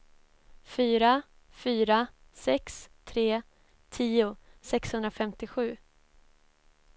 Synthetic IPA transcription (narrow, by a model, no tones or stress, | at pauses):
fyːɾa | fyːɾa | sɛkst̪ʰɾeː | t̪ʰiːʊsɛkshɵnd̪ɾafɛmt̪ɪɧʉ̟ː